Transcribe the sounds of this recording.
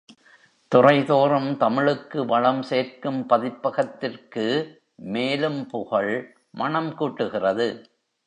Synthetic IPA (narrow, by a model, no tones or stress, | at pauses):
t̪ʊrɐɪðoːɾɐmt̪ɐmɪɭɯkːɯʋɐɻɐmseːɾkɯmpɐðɪpːɐɣɐt̪ːɪrkɯ | meːlɯmpʊɣɐɭ | mʔɐɳɐmkuːʈːɯɣɪrɐðɯ